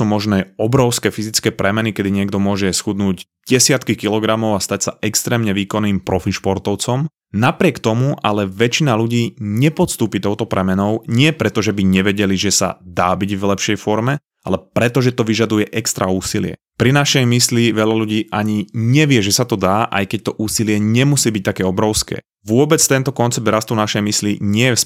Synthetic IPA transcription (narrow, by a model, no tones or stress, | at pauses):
uːmɔʒnɛːɔbɾɔʊskɛːfizit͡skɛːpɾɛmɛnikɛd̪iɲɪɛɡd̪ɔmʊɔʒɛsxud̪nuːɟ | ɟɛsɪat̪kikilɔɡɾamɔʊast̪acsaɛkst̪ɾɛːmɲɛʋiːkɔnːiːmpɾɔfiʃpɔɾt̪ɔʊt͡sɔm | napɾɪɛkt̪ɔmuʔalɛʋɛt͡ʃinaluɟiːɲɛpɔt̪st̪uːpit̪ɔʊt̪ɔpɾɛmɛnɔʊɲɪɛpɾɛt̪ɔʒɛbiɲɛʋɛɟɛliʒɛsa̰d̪aːbiɟvlɛpʃɪɛjfɔɾmɛ | ʔa̰lɛpɾɛt̪ɔʒɛt̪ɔʋiʒad̪ujɛʔɛkst̪ɾauːsilɪɛ̰ | pɾinaʃɛjmisliʋɛʎaluɟiːʔaɲiɲɛʋɪɛʒɛsat̪ɔd̪aːʔa̰jkɛc̚t̪ɔʔuːsilɪɛɲɛmusiːbic̚t̪akɛːɔbɾɔʊskɛ̰ː | ʋʊɔbɛt͡st̪ɛnt̪ɔkɔnt͡sɛbd̪ɾast̪unaʃɛjmisliɲɪɛjɛs